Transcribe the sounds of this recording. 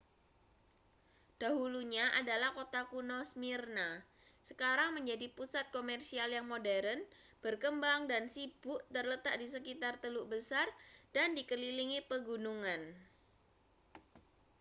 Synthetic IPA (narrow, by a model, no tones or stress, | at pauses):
d̥aɦuluɲaʔadalahkot̪akunɔsmirna | sə̥kaɾaŋməɲd͡ʒadipusat̪̚komɛrsialjaŋmodɛɾən | b̥ərkəmbaŋdansibʊʔt̪ərlət̪ak̚dis̬əkit̪art̪əluʔbəsard̥andikəliliŋipəɡunuŋan